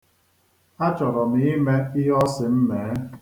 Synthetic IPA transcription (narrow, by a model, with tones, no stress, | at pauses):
a˦t͡ʃɔ˨ɾɔ˨mi˨˦me˦i˦ɦɔ˦sɪ˨m̩˦meː˨˦